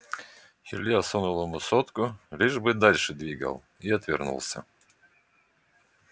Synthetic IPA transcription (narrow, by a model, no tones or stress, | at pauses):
xʲɪ̰rʲlʲiɐsonulˠəmʊsot̪kʊlʲiʐbɨd̪alʲʂɨd̪vʲiɡə̰lˠ | iɐt̪vʲɪrnṵlˠsʲə̰